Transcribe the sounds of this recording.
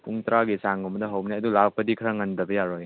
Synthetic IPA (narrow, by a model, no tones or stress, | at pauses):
puŋtɾaɡisaŋɔmɐdɐɦawnaɐdulak̚pɐdikʰɐɾaŋɐndɐbɐjaɾɔj